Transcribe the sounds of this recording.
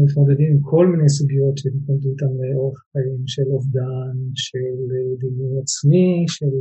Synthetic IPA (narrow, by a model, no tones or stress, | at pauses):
mit̪mo̞d̪ed̪immkʰo̞lminejs̬uɡio̞tʃeitold̪uit̪amleʔo̞ʁeχχajimʃe̞lovd̪anʃeld̪imjujat͡smiʃel